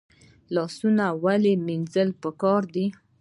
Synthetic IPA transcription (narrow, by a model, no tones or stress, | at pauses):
lɑsunawaleminzəlpəkɑɾd̪i